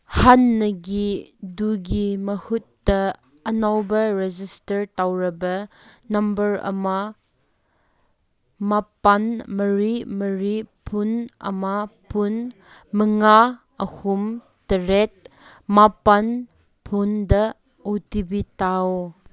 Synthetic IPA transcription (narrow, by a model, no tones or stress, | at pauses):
hanːɐɡiduɡimɐhutːɐː | nawbɐɾed͡ʒistɐɾtawɾɐbɐ | nɐmbɐɾɐ̰ma | mapanmɐɾimɐɾipʰunɐ̰mapʰun | mɐŋa | ɐhum | tɐɾet̚ | mapan | pʰundɐ | otibitaw